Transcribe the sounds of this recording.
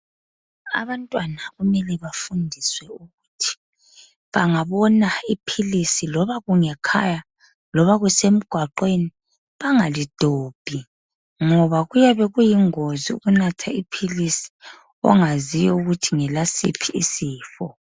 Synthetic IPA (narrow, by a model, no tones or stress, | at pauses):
a̰βantʼwanaɣumɛlɛβafundʱiswɛuɣutʰi̥ | βaŋaβɔnaipʰilisilɔβaɣuŋɛkʰaja | lɔβaɣusem̩ɡ̥ʱwaǃweni | βaŋalid̥ʱoːb̥ʱi | ŋɔβaɣujaβɛɣujiŋoziṵɣunatʰaipʰilisi̥ | ɔ̰ŋazijɔuɣutʰiŋɛlasḭpʰiʔːsiːfɔ